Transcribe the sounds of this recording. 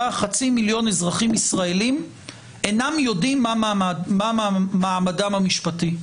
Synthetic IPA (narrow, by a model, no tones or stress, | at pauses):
aχat͡similjo̞nezʁaχimisʁaelim | ʔenamjo̞dimːamamaamadamhamiʃpati